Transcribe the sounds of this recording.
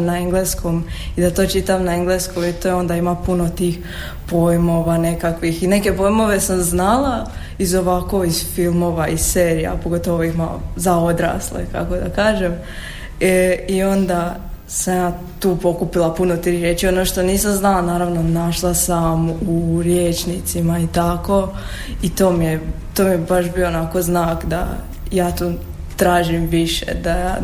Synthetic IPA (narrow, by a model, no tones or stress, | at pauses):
naeŋɡlesko̞mid̪at̪o̞ːt͡ʃit̪amnaeŋɡleskomit̪oːeo̞nd̪aimapunot̪iːx | po̞jmo̞ʋane̞kakʋixine̞ke̞po̞jmo̞ʋe̞samznalˠa | izo̞ʋako̞iz̥filˠmo̞ːʋaisseːɾija̰po̞ɡo̞t̪oʋoima̰zao̞d̪ɾa̰slḛka̰ko̞d̪akaːʒe̞m | io̞nd̪a | samjaː | t̪uːpo̞kupilˠapunot̪iɾiɾjet͡ʃionoʃt̪o̞niːsamznalanaːɾaʋno̞naʃlˠasamuɾjeːt͡ʃnit̪simait̪ako̞ | it̪oːmije | t̪omijebaʃbioonako̞znaːkd̪a̰ | jaːt̪uː | t̪ɾaːʒimʋiʃḛd̪aja